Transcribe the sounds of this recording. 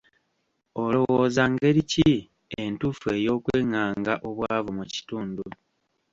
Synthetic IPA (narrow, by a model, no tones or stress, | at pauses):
olo̞woːzaŋɡe̞ɾici | e̞ntufue̞jo̞ːkwe̞ːŋaːŋɡaʔo̞βwaːvumuci̥tuːndu